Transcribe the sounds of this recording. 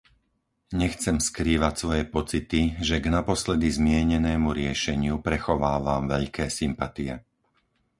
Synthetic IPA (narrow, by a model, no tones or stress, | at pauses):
ɲɛxt͡sɛmskɾiːʋacsʋɔjɛpɔt͡sit̪iʒɛɡnapɔslɛd̪izmɪɛɲɛnɛːmuɾɪɛʃɛɲɪupɾɛxɔʋaːʋaːmʋɛʎkɛːsimpat̪ijɛ